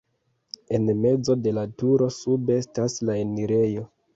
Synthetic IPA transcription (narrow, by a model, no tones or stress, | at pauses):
e̞nme̞d͡zo̞de̞latuɾo̞sube̞staslaeniɾe̞jo̞